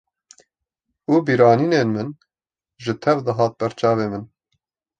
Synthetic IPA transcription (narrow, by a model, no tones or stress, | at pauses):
uːbiːɾɑːniːneːnmɨn | ʒɨt̪ʰɛvd̪ɨɦɑːt̪̚bɛɾt͡ʃɑːveːmɨn